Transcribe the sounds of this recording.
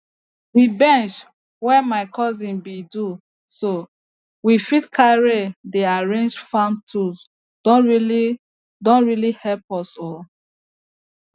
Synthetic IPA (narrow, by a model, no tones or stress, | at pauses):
wibɛ̃nt͡ʃ | wɛmaɪkʰɔzĩnbidu | so | wifitkʰaɹedeaɹẽnd͡ʒfãmtʰus | d̥ɔ̃nɹili | dõnɹilihɛlpɔsɔl